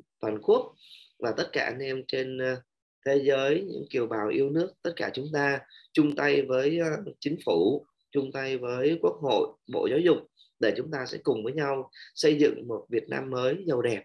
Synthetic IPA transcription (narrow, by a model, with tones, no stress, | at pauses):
t̪waː˨˩nku˦˥ək̚vaː˨˩t̪ə˦˥t̚kaː˧˩ʔa˧nʔɛ˧mt͡ɕe˧n | t̪ʰe˨˦zəː˨˦jɲɨ̰˧˥ŋki˨˩əwɓaː˨˩wʔi˧əwnɨ˦˥ək̚t̪ə˦˥t̚kaː˧˩t͡ɕʊ˨˦ŋ͡mt̪aː˧t͡ɕʊ˧ŋ͡mt̪a˧jvəː˨˦jt͡ɕï˨˦ŋ̟fu˧˩ | t͡ɕʊ˧ŋ͡mt̪a˧jvəː˨˦jku˦˥ək̚ho̰˧˨jɓo̰˧˨zaː˨˦wzʊ̰˨˩k͡p̚ | ɗe˧˩t͡ɕʊ˨˦ŋ͡mt̪aː˧sɛ̰˧˥kʊ˨˩ŋ͡mvəː˨˦jɲa˧wsə˧jzɨ̰˧˨ŋmo˨˩t̚vi˨˩ət̚na̰ː˧mːəː˨˦jzə˨˩wɗɛ˨˩p̚